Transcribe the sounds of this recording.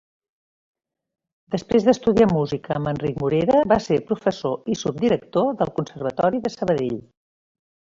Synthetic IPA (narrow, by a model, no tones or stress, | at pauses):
d̪əspɾezðəst̪uðiamuzikəːmənrikmuɾeɾəβaseɾpɾufəsoisub̚d̪iɾək̚t̪oðəlˠkunsərβ̞ət̪ɔɾiðəsəβəðeʎ